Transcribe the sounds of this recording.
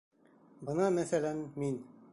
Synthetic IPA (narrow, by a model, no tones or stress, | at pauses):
bɤnɑmæθælænmin